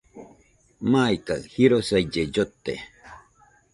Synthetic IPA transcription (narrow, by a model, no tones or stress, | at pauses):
maːjkahiɾosajd͡ʒed͡ʒot̪ːḛ